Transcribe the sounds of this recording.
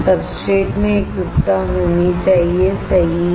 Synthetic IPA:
sɐbsʈɾeːʈmẽeːkɾʊpt̪aɦoːnit͡ʃaːɦiesɐɦ

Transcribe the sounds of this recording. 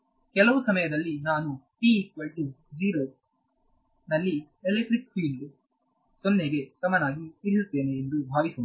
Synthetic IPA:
kɛlɐʋusɐmɐjɐd̪ɐlːinaːnuʈiːkʋɐlʈu | d͡ʒiːɾoː | nɐlːi | elekʈɾikfiːlɖ | sonːeɡe̞sɐmɐnaːɡiiɾisut̪ːe̞ːneːnd̪ubʱaːʋisu

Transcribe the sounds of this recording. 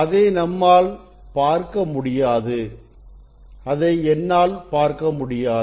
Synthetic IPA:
ɐðeːnɐmːaːl | paːɾkɐmʊɽɪjaːðɯ | ɐðɐɪɛnːaːlpaːɾkɐmʊɽɪjaː

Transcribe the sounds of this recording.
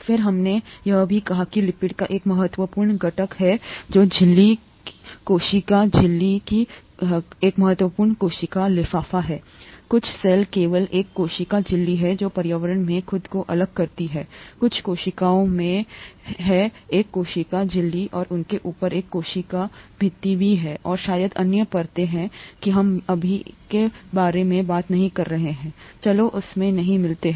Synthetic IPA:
fɪɾɦɐmnejɐɦbʱikɐɦakilɪpɪʈkaʔeːkmɐɦət̪wəpuːɾɳɡɐʈəkɦɛd͡ʒoːd͡ʒɪlːi | koːʃɪkad͡ʒɪlːiki | eːkmɐɦət̪wəpuːɾɳkoːʃɪkalɪfaːfaɦɛː | kʊt͡ʃʰsɛːlkeːʋəleːkːoːʃɪkad͡ʒɪlːiɦɛd͡ʒoːpɐɾjaːʋəɾəɽmẽxʰʊd̪koʔɐləɡ̚kɐɾt̪iɦɛːkʊt͡ʃʰkoːʃɪkaːõmẽɦɛeːkːoːʃɪkad͡ʒɪlːiʔɔːɾʊnkeʔuːpəɾeːkːoːʃikabʱɪt̪ːibʱiɦɛːʔɔːɾʃaːjəd̪ɐ̰njəpɐɾt̪eɦɛ̃kiɦɐmɐbʱikebaːɾemẽbaːt̪nɐɦĩkɐɾːɐɦeɦɛ̃ːt͡ʃɐloʔʊsmẽnɐɦĩmɪlt̪eɦɛ̃

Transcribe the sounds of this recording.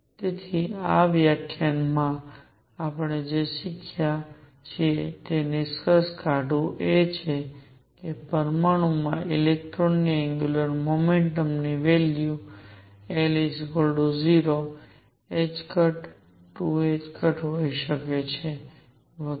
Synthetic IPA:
t̪et̪ʰiaʋjakʰjanmã | apɽ̃ed͡ʒeʃɪkʰjja | t͡ʃʰet̪eniskəskaɖũʔet͡ʃʰe | kepəɾmaɽ̃umãʔilek̚ʈɾoniɛ̃ŋɡjuləɾmomeɳʈəmniʋelju | elisɡolɖoziɾo | ed͡ʒkəʈ | ʈːued͡ʒkʰəʈɦoiʃəket͡ʃʰe | ʋə

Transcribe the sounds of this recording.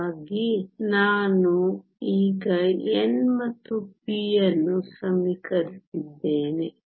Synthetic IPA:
ɡinaːnu | iːɡɐɛnmɐt̪ːubijɐnːusɐmikɐɾisid̪ːeːne

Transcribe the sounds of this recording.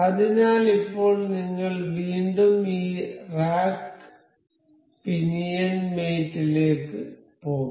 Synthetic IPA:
ɐðinaːlipːo̞ːɭniŋːɐɭʋiːɳɖumiːraːk | pinijɐnmeːtːile̞ːkːɨ | poːɣum

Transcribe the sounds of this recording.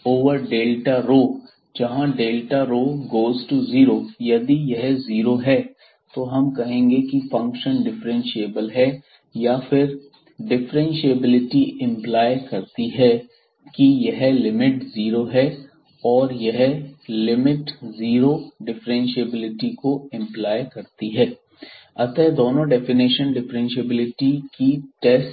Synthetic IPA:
oːʋəɾɖeːlʈaɾoː | d͡ʒɐɦãɖeːlʈaɾoːɡoːzʈuziːɾoːjɐd̪ijɐɦziːɾoɦɛː | t̪oɦɐmkɐɦẽːŋɡekifɐ̃ŋkʃənɖɪfɾẽnʃieːbəlɦɛ | jafɪɾ | ɖɪfɾɛ̃nʃieːbɪlɪʈiɪ̃mplaːɪkɐɾt̪iɦɛ | kijɐɦlɪmɪʈziːɾoɦɛ | ɔːɾjɐɦlɪmɪʈziːɾoɖɪfɾẽnʃieːbɪlɪʈikoɪ̃mplaːjkɐɾt̪iɦɛː | ɐt̪ɛd̪oːnõɖɛːfɪnɪʃənɖɪfɾẽnʃeːbɪlɪʈikiʈɛːsʈ

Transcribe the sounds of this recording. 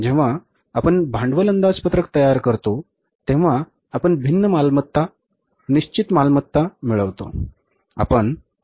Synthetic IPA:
d͡ʑeʋ̤a | apəɳbʱãɳɖʋələnd̪aspət̪ɾək̚t̪əjaɾkəɾt̪o | t̪eʋ̤aː | pəɳbʱinːəmalmət̪ːa | niɕt͡ɕit̪malmət̪ːamiɭəʋt̪o̰ | a̰pəɳ

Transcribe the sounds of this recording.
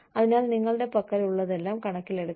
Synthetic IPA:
ɐðinaːlniŋːɐɭɨɽe̞pɐkːɐɾuɭːɐðe̞lːaːmkɐɳɐkːile̞ɽukː

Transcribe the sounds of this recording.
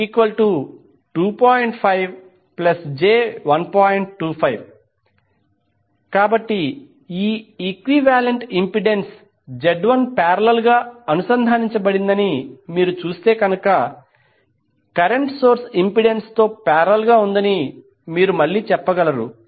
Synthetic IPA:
ikʋɐlʈu | ʈuːpaːjɳʈpʰɐjʋ | plɐsd͡ʒeːʋɐnpaːjɳʈʈːuːpʰɐjʋ | kaːbɐʈːi | iːikʋiʋaːleɳʈimpiɖe̞ns | d͡ʒeɖʋɐnpaːɾɐlɐlɡaːɐnusɐnd̪ʱaːniɲt͡ʃɐbɐɽind̪ɐnimiːɾut͡ʃuːst̪e̞ːkɐnɐkɐ | kɐɾeɳʈso̞ːɾsimpiɖenst̪o̞ːpɛːɾɐɐlɡaːund̪ɐni | miːɾumɐɭːiːt͡ʃɛpːɐɡɐlɐɾṵ

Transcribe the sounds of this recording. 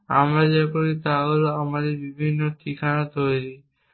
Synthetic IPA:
a̰mɾad͡ʒakoɾit̪aɡoloamaɾebibʱinːot̪ikʰañat̪ojɾi

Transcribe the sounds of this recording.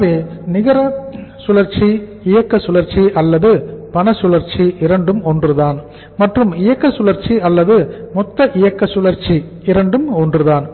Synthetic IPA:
ʋeːnɪɣɐɾɐsʊlɐɾt͡ʃi | ɪjɐkːɐsʊlɐɾt͡ʃiʔɐlːɐðɯpɐnɐsʊlɐɾt͡ʃiʔɪɾɐɳɖɯmɔndrɯðaːn | mɐʈrɯmɪjɐkːɐsʊlɐɾt͡ʃiɐlːɐðɯmɔt̪ːɐʔɪjɐkːɐsʊlɐɾt͡ʃi | ɪɾɐɳɖɯmɔndrɯðaːn

